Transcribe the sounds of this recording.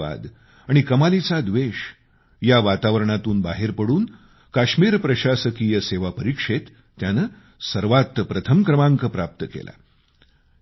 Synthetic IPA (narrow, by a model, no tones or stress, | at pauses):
a̰d̪ | aɽ̃ikəmalit͡sad̪ʋeɕ | jaʋat̪aʋəɾəɳ̃at̪uːnbaɦeɾpəɽuːn | kaɕmiːɾpɾəɕasəkijəseʋapəɾikʂet̪ː | janə | səɾʋat̪ːpɾət̪ʰəmkɾəmaŋkəpɾap̚t̪əkḛlʔa̰